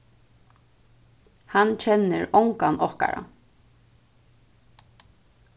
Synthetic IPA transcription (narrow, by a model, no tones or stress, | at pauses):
hant͡ʃʰɛnːɪɹɔwŋkanʔɔhka̰ɹa̰